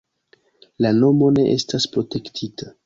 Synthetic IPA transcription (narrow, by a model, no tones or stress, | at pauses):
lano̞mo̞ne̞ʔestaspɾo̞te̞ktʰita